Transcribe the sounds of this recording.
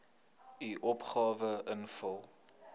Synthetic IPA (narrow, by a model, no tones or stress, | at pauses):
iʔɔpχɑːvəənfəlˠ